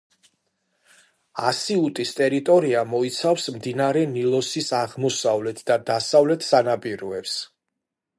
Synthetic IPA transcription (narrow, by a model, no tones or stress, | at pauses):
asiut̪ʼist̪ʼɛɾit̪ʼɔɾiamɔit̪sʰafsmd̪inaɾɛnilˠɔsisaʁmɔsavlɛt̪ʰd̪ad̪asavlɛt̪ʰsanapʼiɾɔɛps